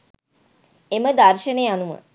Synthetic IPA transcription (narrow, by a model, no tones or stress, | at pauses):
eməd̪arʃənejanumə̰